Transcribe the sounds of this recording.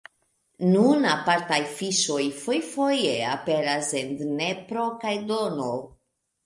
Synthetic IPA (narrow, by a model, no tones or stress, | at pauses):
nunapaɾtajfiʃo̞jfojfo̞jeape̞ɾase̞ndnepɾo̞kajdono